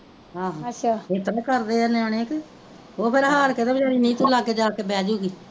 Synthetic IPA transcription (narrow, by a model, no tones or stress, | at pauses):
ɦãːɦãːətʃʰaːeːt̪əɾkəɾd̪eːəneaːneːk | oːpʰɪɾɦaːɾket̪eːbid͡ʒaːɾiːnĩːt̪ʰʊlaːkeːd͡ʒaːkeːbɛːd͡ʒuːɡiː